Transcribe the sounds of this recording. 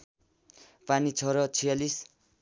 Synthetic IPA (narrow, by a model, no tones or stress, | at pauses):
panit͡sʰʌɾʌt͡sʰijalis